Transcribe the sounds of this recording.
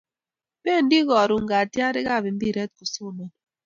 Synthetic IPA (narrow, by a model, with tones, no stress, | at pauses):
bɛ˦˨n˦di˦ɣɔ˨ɾu˨ŋ̩˨ɡa˨tja˦ɾɪ˦ɡa˦˨bi˨m˦bi˦˨ɾɛ˦t̚ku˨so˦˨nɔ˦˨n